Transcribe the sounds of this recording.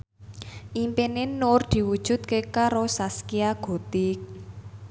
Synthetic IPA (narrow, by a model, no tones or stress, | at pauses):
ʔimpenɪnːʊrd̪̥i̤wud̥ʒ̥ṳd̪̥̚kekaɾosaskiaɡ̥o̤t̪ik̚